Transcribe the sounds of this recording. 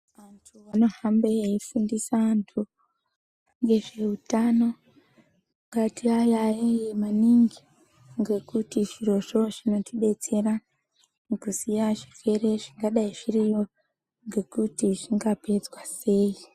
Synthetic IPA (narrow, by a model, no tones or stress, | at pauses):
ʋantʰuʋano̞hambeifundisaːntʰu | ŋɡe̞ʐe̞utano̞ | ŋkatiajajejemaniŋɡi | ŋɡe̞kutiʐiɾo̞ʂo̞ʐino̞tiɗe̞t͡se̞ɾa | nukusijaʐi̥fe̞ɾe̞ʐiŋɡaɗaiʐirijo̞ | ŋɡe̞kutiʐiŋɡape̞d͡zwase̞ːi